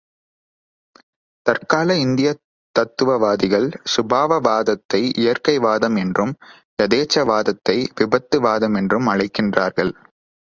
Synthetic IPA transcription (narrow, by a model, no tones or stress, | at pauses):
t̪ɐrkaːlɐɪnd̪ɪjɐ | t̪ːɐt̪ːɯʋɐʋaːðɪɣɐɭsʊbʱaːʋɐʋaːðɐt̪ːɐɪʔɪjɐɾkɐɪʋaːðɐmɛndrɯm | jɐðeːt͡ʃːɐʋaːðɐt̪ːɐɪʋɪbɐt̪ːɯʋaːðɐmɛndrɯmɐɻɐɪkːɪndraːɾɣɐɭ